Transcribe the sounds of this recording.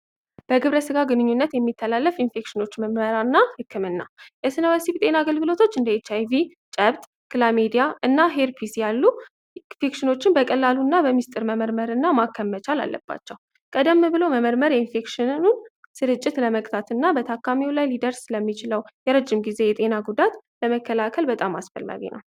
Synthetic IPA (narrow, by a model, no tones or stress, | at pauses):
b̥əɡɨβɾəsɨɡaɡɨnɨɲːunːət̪jɛmːit̪ʰːəlalːəfinfe̞kʃɨno̞t͡ʃːməmməɾanːahɨkʰːɨmɨnːa̰jɛsɨnəwesibt̪ʼe̞naaɡəlɡɨlo̞t̪ʰo̞t͡ʃːɨnd̪əet͡ʃːajvi | t͡ʃʼəβt̪ʼ | kɨlamed̪ijaʔɨnːaɦeɾpʰisjalːu | fekʃɨno̞t͡ʃːɪnbəkʼəlːalunːabəmist̪ʼɨɾməməɾməɾɨnːamakʰːəmːət͡ʃala̰lːə̰b̥ːa̰t͡ʃːɛw | kʼəd̪əmːbɨlo̞məməɾməɾjɛinfe̞kʃɪnunsɨɾɨt͡ʃʼːɪt̪ləməkʼt̪ʰat̪ɨnːabət̪ʰakʰːamiwlajlid̪əɾsləmːit͡ʃɪləwjɛɾəd͡ʒːɪmɡize̞jɛt̪ʼe̞naɡud̪at̪ləməkːəlakʰəlbət̪ʼamːasfə̰lma̰βḛnə̰w